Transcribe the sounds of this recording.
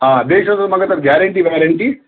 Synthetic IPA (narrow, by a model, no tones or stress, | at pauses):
aːd̪eːʃɐʋd̪ɐɾmɐɡɐt̪ɐɾɡjaːɾɐɳʈiʋaːɾɐɳʈi